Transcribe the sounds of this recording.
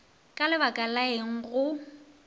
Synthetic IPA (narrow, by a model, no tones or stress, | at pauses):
kʼalɪbakʼalaeŋ̩ɣʊ